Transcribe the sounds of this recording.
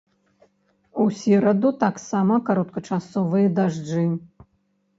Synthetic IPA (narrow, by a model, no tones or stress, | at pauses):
usʲiɾɐd̪ut̪aksamɐkaɾɔt̪̚kɐʈ͡ʂasɔvɨjɐd̪aʐd͡ʐɨ